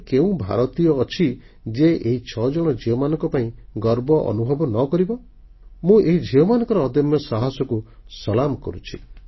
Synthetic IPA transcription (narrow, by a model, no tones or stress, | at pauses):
keũbʱa̰ɾɔt̪ijɔːt͡ʃʰi | d͡ʒeeɦit͡ʃʰɔd͡ʒɔɽ̃ɔd͡ʒiɔmanɔ̃ŋkɔpaĩɡɔɾbɔʔɔ̰nubʱɔbɔnɔkɔɾibɔ | mũʔeɦid͡ʒʱeɔmanɔ̃ŋkɔɾɔːd̪ɔmjɔsaɦɔsɔkusɔlamɔkɔ̰ɾut͡ʃʰi